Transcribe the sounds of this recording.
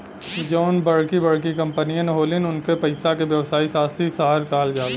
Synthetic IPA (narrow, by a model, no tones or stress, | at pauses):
d͡ʒoːnbɐɽkibɐɽk̬ikɐ̃mpənijãnɦoːlɪnʊnkepɐɪsakeʋjɐʋsaːisaːsisaɦaɾkaːld͡ʒaːleː